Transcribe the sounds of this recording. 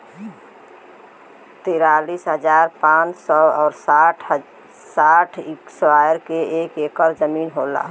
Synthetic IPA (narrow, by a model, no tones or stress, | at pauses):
t̪iɾalisɦəd͡ʒaːɾpãt͡ʃsɔɔːɾsʈ | saʈʰikswajəɾkeekekəɾd͡ʒəminɦola̰